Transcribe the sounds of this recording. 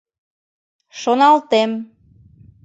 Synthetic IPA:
ʃonɑlt̪em

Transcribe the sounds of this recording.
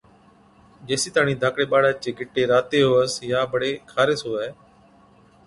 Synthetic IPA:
d͡ʒeːsiːt̪aːɳĩːd̪ʱaːkɽeːɓaːɽaːt͡ʃeːɡʱɪʈːeːɾaːt̪eːɦoːəsjaːbəɽeːkʰaːɾeːsoːɛː

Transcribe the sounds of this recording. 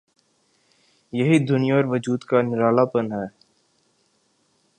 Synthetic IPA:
jɐɦid̪ʊnɪjaɔɾʋəd͡ʒuːd̪kanɪɾaːlapənɦɛː

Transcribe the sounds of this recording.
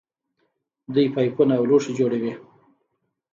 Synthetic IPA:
d̪ujpajpunaːwluʂid͡ʒoɽawi

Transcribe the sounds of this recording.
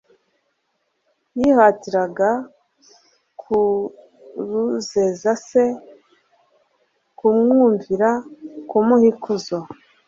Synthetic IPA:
jihatiɾaɡa | kʰu | ɾuzezase | kumŋuːɱviɾakumuhikʰuzo

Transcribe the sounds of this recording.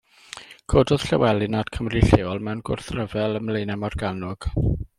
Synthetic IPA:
kʰoːdɔð̥ɬɛwɛlˠɨnad̥kʰəmriɬeːɔlˠmɛwnɡʊ̰rθrəvɛlˠəmlejnɛmɔrɡanʊɡ̥

